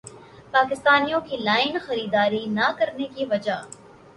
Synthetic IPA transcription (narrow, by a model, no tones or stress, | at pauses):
paːkɪst̪aːnijõkilaːɪnxɐɾiːd̪aːɾinakɐɾnekiʋɐd͡ʒa